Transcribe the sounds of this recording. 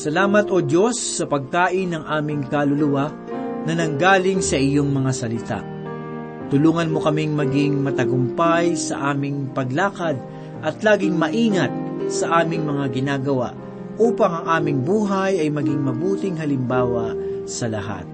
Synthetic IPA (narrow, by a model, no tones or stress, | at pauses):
sɐlaːmɐt̪ʔod̪jo̞sːɐpɐɡ̚kaːʔɪnɐŋʔaːmɪŋkɐlʊlʊwa | nɐnɐŋɡaːlɪŋsɐʔɪjoŋmɐŋasɐlɪt̪a̰ʔ | t̪ʊluːŋɐnmo̞kɐmɪŋmɐɡɪŋmɐt̪ɐɡʊmpajsɐ̰ʔaːmɪŋpɐɡlaːkɐd̪̚ | ʔɐt̪laːɡɪŋmɐʔiːŋɐt̪̚sɐʔaːmɪŋmɐŋaɡɪnaːɡɐwa̰ʔ | ʔuːpɐŋɐŋʔaːmɪŋbuːɦɐjɐjmɐɡɪŋmɐbuːt̪ɪŋɦɐlɪmbaːwɐsɐlɐɦa̰t̪̚